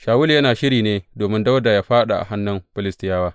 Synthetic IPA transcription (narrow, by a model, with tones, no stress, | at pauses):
ʃaː˨wʊ˦ljɐ˦naː˨ʃɪ˦ɾiː˨neː˦doː˨mɪ˦nda˦wda˨jaː˦ɸaː˦ɗa˨ʔa̰˨ɦa˦nːɐ˦mɸɪ˦lɪ˦stɪ˦jaː˦waː˦